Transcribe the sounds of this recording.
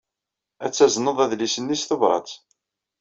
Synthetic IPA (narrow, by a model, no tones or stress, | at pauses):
æt͡sːæznəðˤæðlisənːisθovɾˤɑ̰t͡s